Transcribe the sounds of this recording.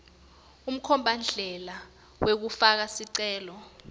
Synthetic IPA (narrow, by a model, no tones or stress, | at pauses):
um̩kʰɔmbʱand͡ɮʱɛla | wek̬ufak̬asiǀɛːlɔ